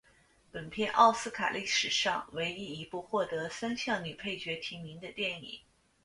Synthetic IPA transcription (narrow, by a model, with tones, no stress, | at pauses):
pə˨˩npʰjɛ˥˧nʔɑ̰˥˧ʊsɹ̩˥kʰa̰˨˩li˥˩ʂɻ̩˨˩ʂɑ˥˧ŋwe˧˥ɪi˥i˧˥pu˥˧xwɔ˥˩t̪ɤ˧˥sa˥nɕjɑ˥˩ŋny˨˩pʰe˥˩ɪt͡ɕɥɛ˧˥t̪ʰi˧˥mi˧˥ŋd̪ə˧t̪jɛ˥˩nḭ˨˩˦